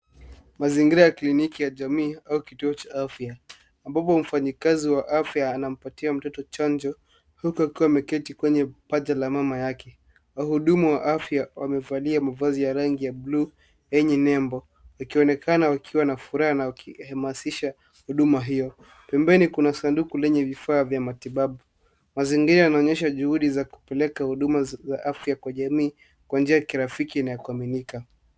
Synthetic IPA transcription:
maziŋɡiɾajaklinikijaʄamiːaukituɔt͡ʃaafjaː | mbapɔm̩faɲikaziwaʔafjaːnam̩patiam̩tɔtɔt͡ʃand͡ʒɔ | hukuakiwamɛkɛtikwɛɲɛpaʄalamamajakɛ | auhuɗumuwaʔafjawamɛvaliamavazijaɾaŋɡijablu | ɛɲɛnɛmbɔ | wakiɔnɛkanawakʰiwanafuɾahanawakihamasiʃa | huɗumaɦijɔ | pɛmbɛnikunasandukulɛɲɛvifaːvjamatiɓaɓu | maziŋɡiɾajanaɔɲɛʃ̬aʄuhuɗizaku̥pɛlɛkahuɗumazaʔafjakwaʄamiː | kwand͡ʒiajakiɾafikinajakuaminika

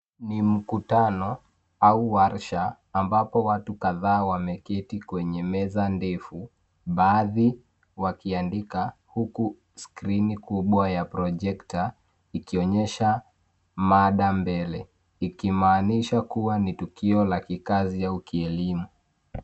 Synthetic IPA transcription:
nim̩kutanɔ | auwaɾʃaː | mbapɔwatukaðaːwamɛkɛtikwɛɲɛmɛzandɛfu | ɓaːði | wakiandikahuku | skɾinikuɓwajapɾɔʄɛkta | ikiɔɲɛʃa | maɗambɛlɛ | ikimaːniʃakuwanitukiɔlakikazijaukiɛlimu

